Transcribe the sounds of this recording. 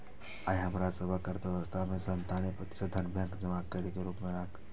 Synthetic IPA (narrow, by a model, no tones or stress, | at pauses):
aːiɦɐmɾasəbʱəkəɾt̪eəst̪ʰamẽsənt̪aːnepɐt̪sed̪ʱɐnbɛ̃ŋkd͡ʒəmaːkəɾikeɾuːpmẽɾaːkt̪